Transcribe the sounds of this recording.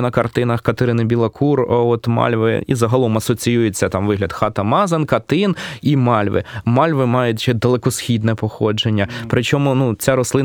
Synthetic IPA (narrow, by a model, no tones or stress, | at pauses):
nɐkɐrt̪ɪnɐxkɐt̪eɾɪnɪbʲilˠɐkʰurɔt̪mɑ̰lʲʋɪ̰ḭzɐɦɐlˠɔmɐsɔt͡sʲijujet͡sʲːɐt̪ɑmʋɪɦlʲɐd̪xɑt̪ɐmɑzɐnkɐt̪ɪnimɑlʲʋɪ̰mɑlʲʋɪmɑjʊtʲt͡ʃed̪ɐlˠekɔsxʲid̪nɛpɔxɔd͡ʒenʲːɐpɾɪt͡ʃɔmʊnut͡sʲaɾɔslˠɪ